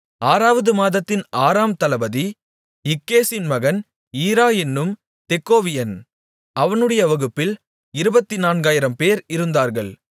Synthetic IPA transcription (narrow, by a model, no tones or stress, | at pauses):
aːɾaːʋɐðɯmaːðɐt̪ːɪnaːɾaːmt̪ɐlɐbɐði | ɪkːeːsɪnmɐɣɐn | iːɾaːɛnːɯm | t̪ɛkːoːʋɪjɐn | ɐʋɐnɯɽɐjɐʋɐɣɯpːɪl | ɪɾɯbɐt̪ːinaːnɡaːjɪɾɐmpeːɾɪɾɯnd̪aːɾɣɐɭ